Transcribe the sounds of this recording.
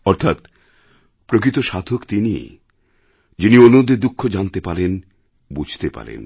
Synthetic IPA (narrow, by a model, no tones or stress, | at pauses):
ɔɾt̪ʰat̪ | pɾokɾit̪oʃat̪ʰokt̪inḭ | d͡ʑinionːod̪ed̪ukʰːod͡ʑant̪epaɾen | bud͡ʑʱt̪epa̰ɾḛn